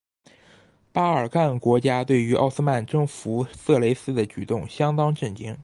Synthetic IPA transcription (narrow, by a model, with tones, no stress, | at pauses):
pa˥ə˞˨˩ka˥˩nkwɔ˧˥t͡ɕja˥t̪we˥˩ɪy˧˥ʔɑ̰˥˩ʊs̩˥ma˥˩nʈ͡ʂɤ˥˩ŋfu˧˥sɤ˥˩le˧˥ɪsɹ̩˥d̪ə˨t͡ɕy˨˩t̪ʊ˥˩˧ŋɕjɑ˥ŋt̪ɑ˥ŋʈ͡ʂɤ˥˩nt͡ɕi˥ŋ